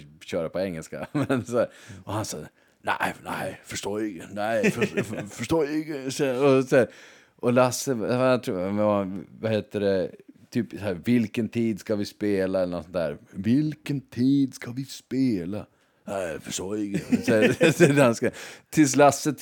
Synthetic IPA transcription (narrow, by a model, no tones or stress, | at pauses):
ɕœːɾapɔɛŋːəlska̰mɛnsæɾɔhansɑ̰ː | næ̰ɪnæ̰ɪfœʂʈoːɾɪŋːə̰næɪffœʂʈoːɾɪŋːəsɛɔsæːɾ | ʔɔlasːət̪ʰɾuːmɛavaheːt̪əɖɛt̪ʰyːpsæːɾvɪlkənt̪ʰiːd̪skavɪspeːlaɛlːəɳɔsɔnt̪ʰæ̰ːɾvɪlkənt̪ʰiːd̪skavɪspeːla | næɪfœʂtoːɾɪŋːəsɛɛanskat̪ʰɪls̬lasːət̪